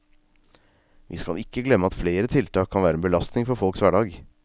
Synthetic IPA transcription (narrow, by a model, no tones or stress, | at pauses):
ʋʔḭːskɑ̰lɪkːəɡlɛmːəɑt̪fleːɾət̪ʰɪlt̪ʰɑːkʰːɑnʋæːɾɛnbəlɑst̪nɪŋfɔɾfɔlksʋæːɖɑːɡ